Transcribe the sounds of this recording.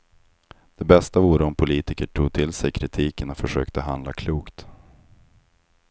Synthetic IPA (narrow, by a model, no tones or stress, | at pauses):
d̪̥ɛbɛst̪avuːɾəɔmpʰʊliːt̪ɪkəʈʰuːɡ̚t̪ʰɪlsɛjkʰɾɪt̪ʰiːkəɳafœʂøːkt̪əɦand̪lakʰluːkt̪